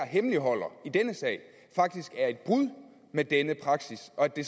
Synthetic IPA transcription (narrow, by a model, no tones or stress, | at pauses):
ɐɦeməliɦɒ̽l̰ɐid̥enəsɛ̰ːɪ̰ | fɑ̈ɡ̥̚d̥isɡ̥æɐe̝d̥̚b̥ʁuð̰ˠ | med̥enəpʰʁɑ̈ɡ̥sisɒ̽d̥e̝s